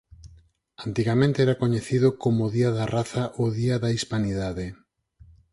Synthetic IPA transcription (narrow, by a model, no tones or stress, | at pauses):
ant̪iɣamẽnt̪eɛɾakoɲeθiðokomːðiaðaraθaʔoðiaðaispaniðaðe